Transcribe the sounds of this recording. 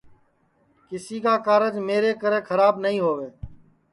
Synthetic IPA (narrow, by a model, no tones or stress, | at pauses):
kɪsiːkaːkaːɾəd͡ʒmeːɾeːkəɾeːkʰəɾaːbnəɦĩːɦoːʋeː